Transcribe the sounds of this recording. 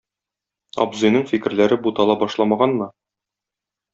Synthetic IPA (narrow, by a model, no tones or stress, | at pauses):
ɒ̰bzŏjnɤɴfikɘ̆ɾlæɾɘbut̪ɑlˠɑbɒʃlˠɑmɑʁɑnmɤ